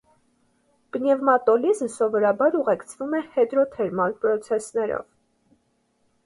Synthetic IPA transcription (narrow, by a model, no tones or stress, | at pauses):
b̥nɛvmɑt̪ɔlizəsɔvɔɾɑbɑɾuʁɛkt͡sʰvumɛhɛd̪ɾɔt̪ʰɛɾmɑnpɾɔt͡sʰɛsnɛɾɔ̰v